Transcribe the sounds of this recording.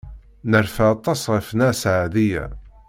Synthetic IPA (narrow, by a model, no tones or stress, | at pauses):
nəɾfaɑt̪ˤːɑsʁəfnasʕaðijæ̰